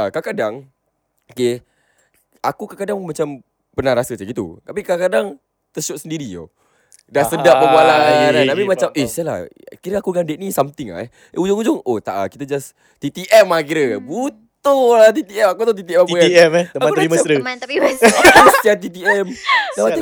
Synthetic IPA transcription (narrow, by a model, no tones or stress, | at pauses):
kakadaŋ | oke | akukakadaŋmat͡ʃam | pənaɾasət͡ʃaɡit̪ṵt̪apikakadaŋ | t̪əsɔʔ̚səndiɾio̰ | daʔsədaʔpəbualanabimat͡ʃamʔesala̰kiɾəakuɡandɛʔ̪̚nisamt̪ɪŋa̰ɛ | ʔeud͡ʒʊŋud͡ʒʊŋot̪aʔa̰ki̥t̪ad͡ʒas | t̪it̪iʔɛmak̬iɾəbut̪ʊlat̪it̪iɛmakut̪ɔt̪it̪iɛmauaɛmmaãəɾiməəat̪aikuməst̪iat̪it̪iɛmdapai